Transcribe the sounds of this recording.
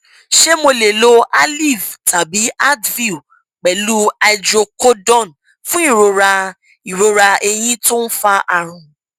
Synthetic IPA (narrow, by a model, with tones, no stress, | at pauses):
ʃe˦mo˧le˨lo˧a˦li˦˨vtʰa˨bi˨˦a˦dvi˦˨ | k͡pɛ˨lu˦a˧jd͡ʒɾo˧ko˦dɔ̃˦˨n | fũ˦i˦˨ɾo˧ɾa˧ | i˨ɾo˧ɾa˧e˧j̃ĩ˦to˦n̩˦fa˧ʔa˧ɾ̃ũ˧